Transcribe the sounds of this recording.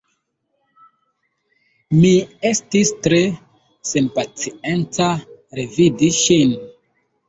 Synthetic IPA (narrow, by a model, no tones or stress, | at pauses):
miestistɾe | senpat͡sient͡saɾevidiʃin